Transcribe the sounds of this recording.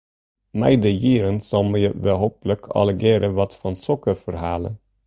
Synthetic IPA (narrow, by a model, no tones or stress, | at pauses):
mæ̰ɪd̪əjiːɾənsɔmiʋeːhoːpləkʰɑ̰lɛɡeːɾəʋɑt̪fɑnsɔkəfɔɾhæːlə̰